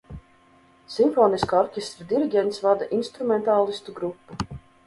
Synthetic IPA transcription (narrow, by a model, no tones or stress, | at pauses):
simfɔːniskaɔɾkʲest̪ɾid̪iɾiɡʲɛnt̪svad̪aʔinst̪ɾumɛnt̪aːlˠist̪uɡɾupːu